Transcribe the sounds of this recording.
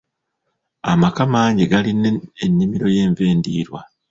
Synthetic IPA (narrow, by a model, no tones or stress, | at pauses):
amakamaːɲɟeɡalineenːimiɾo̞je̞ːɱve̞ːndiːɾwa